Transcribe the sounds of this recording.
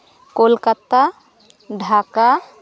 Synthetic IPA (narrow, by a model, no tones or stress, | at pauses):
kolkat̪ːa | ɖʱaːka